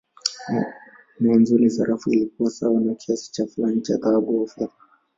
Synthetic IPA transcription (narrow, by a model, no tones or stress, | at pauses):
mɔanzulizaɾʔafuilik̚uasawanakʰiasi̥t͡ʃafulanit͡ʃakaɡɔfa